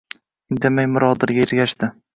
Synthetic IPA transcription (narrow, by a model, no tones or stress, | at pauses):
ɪnd̪emajmʊɾɒd̪ɪɾɡʲaɪɾɡʲaʃd̪ɪ